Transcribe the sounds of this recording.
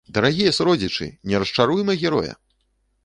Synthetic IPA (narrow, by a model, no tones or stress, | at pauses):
d̪ɐɾaɣʲijɐsɾɔd͡zʲit͡ʂɨ̰nʲɛɾɐst͡ʂaɾujmɐɣʲɛɾɔ̰jɐ̰